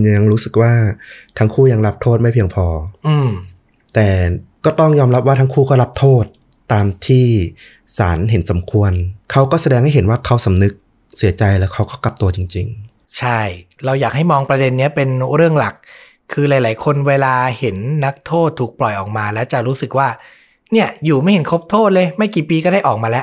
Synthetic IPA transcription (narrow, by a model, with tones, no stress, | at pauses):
ja˧ŋɾuː˦˥sɯ˨˩k̚waː˥˩t̪ʰa˦˥ŋkʰuː˥˩ja˧ŋɾa˦˥p̚t̪ʰoː˥˩t̪̚ma˥˩jpʰi˧əŋpʰɔː˧ʔɯː˧m | t̪ɛː˨˩kɔː˥˩t̪ɔ˥˩ŋjɔː˧mɾa˦˥p̚waː˥˩t̪ʰa˦˥kʰuː˥˩kɔː˥˩ɾa˦˥p̚t̪ʰoː˥˩t̪ː | aː˧mt̪ʰiː˥˩ | saː˩˦nɦe˩˦nsa˩˦mkʰu˧ənkʰa˦˥wkɔː˥˩sa˧dɛː˧ŋha˥˩jɦe˩˦nwaː˥˩kʰa˦˥wsa˩˦mnɯ˦˥k̚ | si˩˦ɐt͡ɕa˧jlɛː˦˥wkʰa˦˥wkɔː˥˩ka˨˩p̚t̪u˧ɐət͡ɕi˧ŋt͡ɕi˧ŋ | t͡ɕʰa˥˩j | ɾa˧wjaː˨˩k̚ha˥˩jmɔː˧ŋpɾa˧de˧nːi˦˥ɐpe˧nɾɯ˥˩əŋla˨˩kʰː | ɯː˧laː˨˦jlaː˩˦jkʰo˧nweː˧laː˧he˩˦nːa˦˥k̚t̪ʰoː˥˩t̪ʰːuː˨˩k̚plɔ˨˩jʔɔː˨˩k̚maː˧lɛː˦˥wt͡ɕa˨˩ɾuː˦˥sɯ˨˩k̚waː˥˩ | ni˥˩ɐjuː˨˩ma˥˩jhe˩˦nkʰo˦˥p̚t̪ʰoː˥˩t̪̚lɤː˧jma˥˩jkiː˨˩piː˧kɔː˥˩da˥˩jʔɔː˨˩k̚maː˧lɛ˦˥ʔ